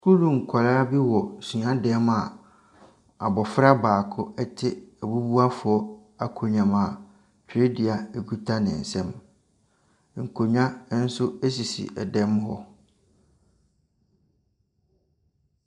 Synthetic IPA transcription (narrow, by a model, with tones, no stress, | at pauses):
kʰu˦lũ˨ŋ̩˨kʷʰa˨laː˦bi˦wɔ˨sɥã˦dɛ˨˦ma˨ | a˨bɔ˨fɾa˦baː˨kʰʊ˦ɛ˦tʰɪ˦ɛ˨bu˦bu˦a˦fʊ˨ɔ˦ | a˨kʰo˨ɲᶣã˨ma˨ | t͡ɕᶣɾe˦dɪ˨a˨ɛ˨ku˦tʰa˦nɪ̰̃˨n̩˨sɛ̃˦m | ŋ̩˨kʰo˨ɲᶣã˦n̩˦sʊ˦e˦s̬i˨sḭ˨ʔɛ̰˨dɛ̃˦mɦɔ̰˦